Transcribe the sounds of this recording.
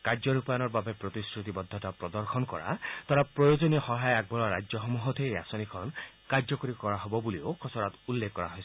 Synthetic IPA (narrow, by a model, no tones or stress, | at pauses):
kaɾd͡ʒɔɾupajɔnɔɾbabepɾɔt̪iskɾut̪ibɔd̪ʱːɔtapɾɔd̪ɔɾxʰɔnkɔ̰ɾa̰t̪ɔɾapɾɔjod͡ʒɔnehɔɦajaɡ̚bɔlɔɾa̰d͡ʒjɔɦɔmuɦɔt̪ʰea̰sɔnikʰɔnkaɾd͡ʒɔkɔɾikɔɾaɦɔbɔbuliokʰɔsɔɾat̪ulːekːɔɾa̰ɦɔjs